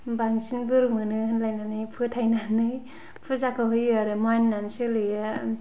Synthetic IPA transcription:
baŋsinbɯɾumɯnɯhɯnlajnanɯjpʰɯtʰajnanɯj | pʰɯzakʰɯɦɯjaɾɯmajnnansɯlɯa

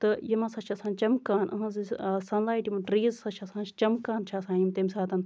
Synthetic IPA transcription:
t̪ɨjɐmasɐt͡ʃʰasaːnt͡ʃɐmkaːnʔɐ̰ɦɐ̃zisɐnlaːjʈimɐʈɾiːzsɐt͡ʃʰasãːnt͡ʃʰt͡ʃɐmkaːnt͡ʃʰasãːjimt̪emsaːt̪ɐn

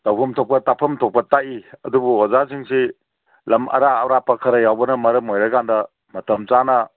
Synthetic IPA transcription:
tɐwpʰɐmtʰɔp̚kɐtapʰɐmtʰɔp̚pɐtaʔiɐdubuɔzasiŋsi | lɐmʔɐ̰ɾaːwɾapɐkʰɐɾɐjawbɐnɐmɐɾɐmojɾɐkandɐ | mɐtɐmt͡ʃanɐ

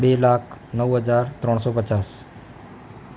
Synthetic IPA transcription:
belaːkʰnəʋɦəd͡ʒaɾt̪ɾɔɽ̃sɔpət͡ʃaːs

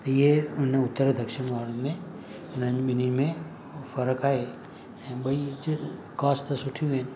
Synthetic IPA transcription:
t̪ɐieʊn̤əʊt̪ːəɾd̪ʱəkʃɪnmʱaːɾəmẽ | ʊn̤əɲɓɪnimẽ | fɐɾəkaːɦe | ɛ̃ːɓɐi | kaːssʊʈʰijũʋɪnɪ̆

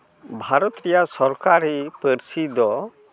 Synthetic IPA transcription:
bʱaɾɔt̪ɾɛjasɔɾkaɾɛpəɾsid̪ɔ

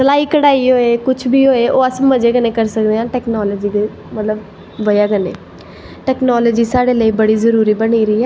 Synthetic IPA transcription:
səlaːiːkəɽaːiɦoːeːkʊt͡ʃʰbʱiːɦoːeːʔoːəsməd͡ʒeːɡəneːkəɾsəkd̪eːãːʈɛːknɔːləːd͡ʒiːd̪e | mət̪ləb | ʋəjaːɡənḛː | ʈɛːknɔːləd͡ʒiːsaːɽeːləiːbəɽiːzəɾuːɾiːbəɽiːɾəiːɦɛː

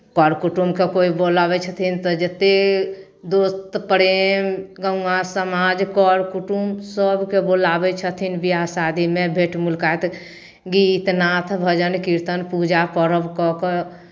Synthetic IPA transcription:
kɔɾkuʈumkekoibolabɛt͡ʃʰət̪ʰint̪ɔd͡ʒət̪e | d̪ost̪pəɾemɡə̃asəmad͡ʒkɔɾkuʈumsəbʱkebolabɛt͡ʃʰət̪ʰinbiasad̪imẽbʱeʈmulkajt̪ | ɡiːt̪nat̪ʰbʱəd͡ʒənkiɾt̪ənpud͡ʒapəɾəbkɔkɔ

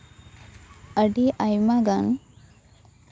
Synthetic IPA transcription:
əɖiʔajmaɡan

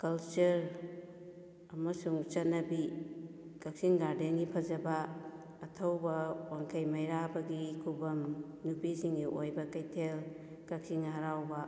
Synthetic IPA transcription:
kɐlt͡ʃuɾ | ɐmɐsuŋt͡ʃɐt̚nɐbi | kɐk̚siŋɡaɾdeŋipʰɐzɐbɐː | tʰɐwbɐwaŋkʰɐjmɐjɾabɐɡikʰubɐm | nupisiŋiʔojbɐkɐjtʰel | kɐk̚siŋɦɐɾawbɐ

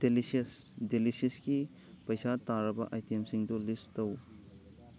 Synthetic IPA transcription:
d̥elises | delisisɡi | pɐjsataɾɐbɐ̰ʔajtʰemsiŋdulistɐw

